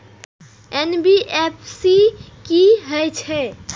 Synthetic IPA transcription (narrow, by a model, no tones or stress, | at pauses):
enbiepʰsi | kiɦəjt͡ʃʰɛ